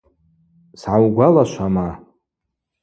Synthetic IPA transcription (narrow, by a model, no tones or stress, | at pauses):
sʕawɡʷalaʃʷama